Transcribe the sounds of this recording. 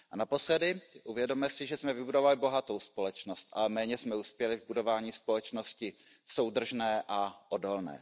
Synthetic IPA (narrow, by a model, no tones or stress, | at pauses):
ʔanapo̞slɛdɪʔuvjɛdo̞mɛsɪʒɛsmɛvɪbudo̞valɪbo̞ɦat̪o̞wspo̞lɛt͡ʃno̞st̪ʔa̰lɛmɛːɲɛsmɛuːspjɛlɪvbudo̞vaːɲiːspo̞lɛt͡ʃno̞scɪ | so̞wd̪r̩ʒnɛːʔaʔodo̞lnɛ̰ː